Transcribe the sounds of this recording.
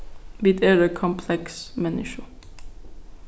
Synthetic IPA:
bɪd̪ɛɹəkʰɔmpʰlɛksmɛnɪʃə

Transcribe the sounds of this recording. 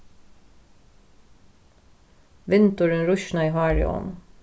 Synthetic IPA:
ʋɪnt̪ʊɹənɹʊʃnɑiːhɑːɹɪ̰ɔ̰n

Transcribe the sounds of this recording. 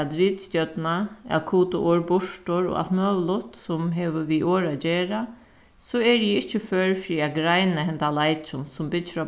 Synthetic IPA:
d̪ɾiːt̪st̪jœt̪naa̰kʰuːt̪ʊʔoɹbʊʂʈʊɹɔ̰a̰lt̪møːʋəlʊht̪sʊmɦɛːʋəʋiʔoːɹad͡ʒeːɾa | sɔɛɹjɛɪht͡ʃːəføːɹfɾiːaɡɾajnaɦɛnt̪alajt͡ʃʊnsʊmbɪt͡ʃːɪɾa

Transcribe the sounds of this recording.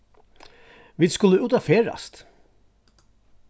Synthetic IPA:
ʋiːðskʊləʉːt̪afeːɹa̰st̪

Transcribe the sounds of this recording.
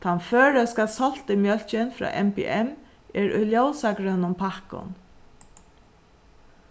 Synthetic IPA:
t̪ʰanfœːɹəskalsɔl̥t̪ɪmjœl̥t͡ʃɪnfɾɑ̰ːʔɛmpɛ̰ʔɛm | ʔɛɹʊ̰jljowsakɾʏnʊmpʰahkʊ̰n

